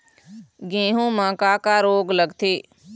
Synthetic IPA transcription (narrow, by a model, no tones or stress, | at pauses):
ɡĩːɦũːmãːkaːkaːɾoːɡləɡt̪ʰeː